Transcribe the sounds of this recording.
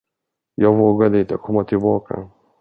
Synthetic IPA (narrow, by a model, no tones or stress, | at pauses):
jɑːɡvoːɡad̪əɪnt̪əkʰɔmːat̪ʰɪlbɑːkʰa̰